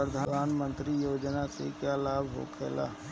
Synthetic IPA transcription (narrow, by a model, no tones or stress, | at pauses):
ɾəd̪ʱad̪aːnmə̃nt̪ɾijoːd͡ʒnasḛkjalaːbɦo̰kʰeːla̰ː